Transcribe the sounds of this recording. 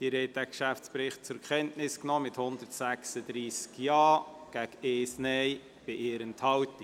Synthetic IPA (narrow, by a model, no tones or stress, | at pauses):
dɪɾhɛt̚dækʃæft͡spɾɪχt̚t͡sʊɾkχɛntnɪsknɔːmɪthʊnd̪ətsæksəd̪ɾiːskjɑːɡ̥ækeːsnɛɪ | b̥ɪʔeːɾənthɑwti